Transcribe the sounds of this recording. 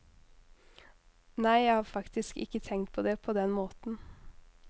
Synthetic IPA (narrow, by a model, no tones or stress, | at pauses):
næɪjæɪhɑːɾfɑkt̪ɪskɪ̰kət̪ʰɛŋt̪̚pʰoːd̪eːpʰoːd̪ɛnmoːt̪n̩